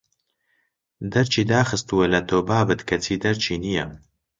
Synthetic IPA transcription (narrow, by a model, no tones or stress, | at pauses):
d̪ɐɾt͡ʃʰiːd̪aːxɨst̪uwelɐt̪ʰoːbaːbɨt̪kʰɐt͡sʰiːd̪ɐɾt͡ʃʰiːnijɐ̰m